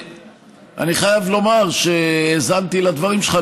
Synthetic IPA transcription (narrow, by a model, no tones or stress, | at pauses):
ʔa̰niχajavlo̞maʁʃeezant̪ilad̪vaʁimʃeχa